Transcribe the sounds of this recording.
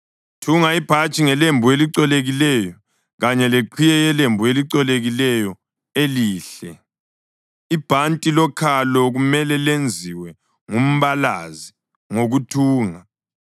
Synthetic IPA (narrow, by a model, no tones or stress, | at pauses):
tʰuŋaib̥ʱat͡ʃʼiŋɛlembʱueliǀɛleɣilɛjɔ | ɣaɲɛleǃʰijɛjɛlembʱueliǀɔleɣilɛjɔ | eliːɬɛ | ib̥ʱantʼilɔkʰalɔɣumɛlɛlend͡zʱiwɛ | ŋum̩βalazi | ŋoɣutʰuːŋa